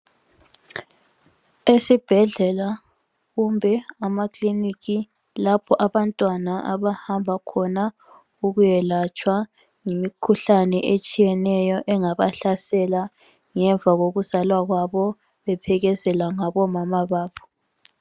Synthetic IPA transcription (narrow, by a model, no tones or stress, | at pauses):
esib̥ʱɛɮɛla | ɣumbʱɛamakʰʼliniki | lapʰɔʔaβantʼwanaʔaβahambʱakʰɔna | uɣujɛlat͡ʃʼwa | ŋimikʰuɬanɛʔet͡ʃʼijɛnɛjɔʔɛŋaβaɬasɛla | ŋɛɱvʱaɣoɣuzalwaɣwaβɔ | βɛpʰɛɣɛzɛlaŋaβɔmamaβaːpʰɔ̥